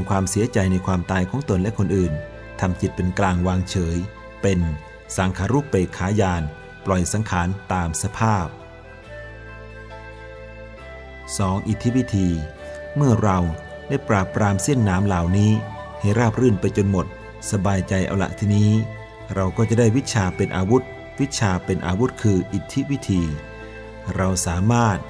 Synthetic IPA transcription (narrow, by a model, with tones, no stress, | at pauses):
a˧ŋkʰwaː˧msi˨˩˦ɐt͡ɕa˧jna˧jkʰwaː˧mt̪aː˧jkʰɔː˩˦ŋt̪o˧nlɛ˦˥ʔkʰo˧nʔɯː˨˩n | t̪ʰa˧mki˨˩t̪̚pe˧nklaː˧ŋwaː˧ŋt͡ɕʰɤː˩˦j | pe˧n | saː˩˦ŋkʰaː˨˦˥ɾuː˥˩pːeː˨˩kʰaː˩˦˥jaː˧n | plɔ˨˩jsa˩˦ŋkʰaː˩˦nt̪aː˧msa˧pʰaː˥˩p̚ | sɔː˩˦ŋʔi˨˩t̪ʰːi˦˥wi˦˥t̪ʰiː˧ | mɯ˥˩ɐɾa˧wdaː˥˩jpɾaː˨˩pːɾaː˧msi˥˩ənːaː˩˦mlaː˨˩˦wniː˦˥ha˧˩ɾaː˥˩p̚ɾɯː˥˩npa˧jt͡ɕo˧nmo˨˩t̪̚ | sa˧baː˧jt͡ɕa˧jʔa̰˧wla̰˨˩ʔt̪ʰi˧˩niː˦˥ | ɾa˧wkɔː˥˩t͡ɕa˨˩daː˥˩jwi˦˥t̪̚t͡ɕʰaː˧pe˧nʔaː˧wu˦˥t̪̚ | wi˦˥t̪̚t͡ɕʰaː˧pe˧nʔa̰ː˧wu˦˥t̪̚kʰɯː˧ʔi˨˩t̪ʰːi˦˥wi˦˥t̪ʰiː˧ | ɾa˧wsaː˩˦maː˥˩t̪̚